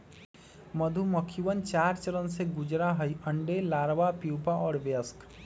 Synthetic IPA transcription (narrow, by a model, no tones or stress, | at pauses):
məd̪ʱuməkʰiʋənt͡ʃaːɾt͡ʃəɾənseɡʊd͡ʒɾaɦəjə̃ɳɖelaːɾʋapiwpaɔːɾʋjəsk